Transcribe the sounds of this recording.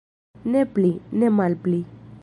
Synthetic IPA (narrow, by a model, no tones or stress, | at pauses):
nɛplinɛmalpli